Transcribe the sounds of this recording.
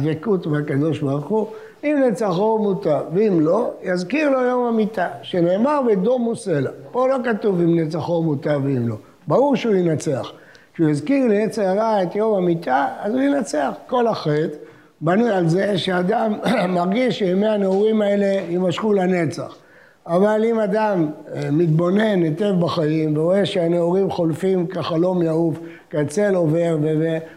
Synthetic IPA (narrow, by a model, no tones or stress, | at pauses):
vekut̪meakad̪o̞ʃbaʁuχu | imnet͡saχomut̪aveimlo̞jazkiʁlo̞jo̞mamit̪aʃene̞ːmaʁbed̪omuse̞lapo̞lo̞kat̪uvimnet͡saχomut̪aveimlo̞ | baʁuʁʃeujinat͡sea̰χ | kʃeujazkiʁleet͡seaʁaet̪jo̞mamit̪ʰaazujinat͡seaχko̞laχet̪ | banujalze̞ʃead̪amːaʁɡiʃːemeaneuʁimae̞le̞jimaʃχulane̞t͡sa̰χ | avalimad̪amːit̪̚bo̞ne̞net̪e̞vbaχaimveʁoe̞ʃeaneuʁimχo̞lfimkaχalo̞mjauf | kat͡se̞lo̞ve̞ʁveve